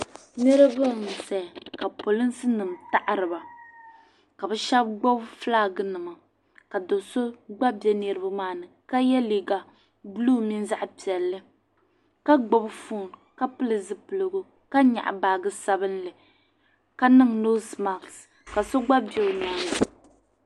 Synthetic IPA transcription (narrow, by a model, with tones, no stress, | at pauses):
nɨ˦ɾɨ˦bɨ˦˨m˨sɛ˨ka˨po˨lɨ˦n˦sɨ˦nɨ˨mta˦ʔa˦ɾɨ˨ba˨ | ka˨bɛ˦ʃa˦b̚ɡ͡bo˦bflaː˦ɡɨ˦nɨ˨ma˨ | ka˨do˨so˦ɡ͡ba˦bi˦ɛ˦ne˨ɾɨ˦bɨ˦maː˦˨nɨ˨ka˦jɛ˦liː˨ɡa˨ | bluː˦mi˦n˦za˦ʔpi˨ɛ˨lːɨ˦ | ka˦ɡ͡bo˦bfuː˦˨nka˦pɨ˦lɨ˨zɨ˨pɨ˨lɨ˨ɡʊ˨ | ka˦ɲa̰˨ʔbaː˨ɡɨ˦sa˦bɨ˦nlɨ˨ | ka˦nɨ˦ŋno˦sma˨ks | ka˨so˦ɡ͡ba˦bi˨ɛ˨ɨ˨maː˦nɨ˨